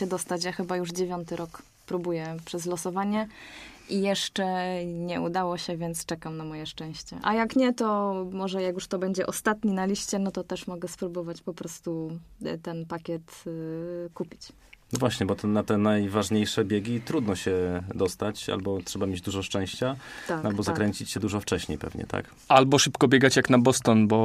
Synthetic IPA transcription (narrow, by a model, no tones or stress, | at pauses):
ɛd̪ɔst̪at͡ɕjaxɘbajuʐd͡ʑevʲjɔnt̪ɘɾɔk | pɾubujɛpʂɛzlɔsɔvaɲɛʔijɛʂt͡ʂɛɲɛud̪awɔɕɛvʲjɛnt̪st͡ʂɛkamnamɔjɛʂt͡ʂɛ̃w̃ɕt͡ɕɛ̰ʔa̰jakɲɛt̪ɔmɔʐɛjakjuʂt̪ɔbɛɲd͡ʑɛʔɔst̪at̪ɲinalʲiɕt͡ɕɛnɔt̪ɔt̪ɛʂmɔɡɛspɾubɔvat͡ɕpɔpɾɔst̪ut̪ɛnpakʲɛt̪ | kupʲi̥t͡ɕ | nɔvwaɕɲɛbɔt̪ɛnat̪ɛnajvaʐɲejʂɛbʲjeɡʲit̪ɾud̪nɔɕɛd̪ɔst̪at͡ɕa̰lbɔtʂɛbamʲjed͡ʑd̪uʐɔʂt͡ʂɛ̃w̃ɕt͡ɕat̪aalbɔzakɾɛɲt͡ɕit͡ɕɕɛd̪uʐɔft͡ʂɛɕɲḛjpɛ̰vɲɛ̰t̪ʰa̰k | albɔʂɘpkɔbʲjeɡat͡ɕjaknabɔst̪ɔnbɔ